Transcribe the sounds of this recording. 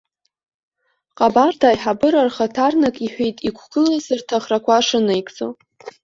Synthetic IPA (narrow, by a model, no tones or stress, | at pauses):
qʼabardaːjħabɨɾarχatʰarnakʼiħʷᶣejtʼikʷʰɡ̥ɨlazɨrtʰaχrakʷʰaʂɨnajkʼt͡sʼo̰